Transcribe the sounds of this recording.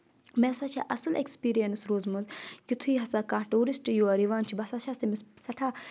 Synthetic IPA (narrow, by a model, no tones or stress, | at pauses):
meːsaːt͡ʃʰa̰ʔɐsɐlekspiːɾijɐnsɾoːzmuzkit̪ʰuiːɦɐsaːkãːʈuːɾisʈjoːɐɾiʋaːnt͡ʃʰibɐsaːʃʰast̪imissɐʈʰaː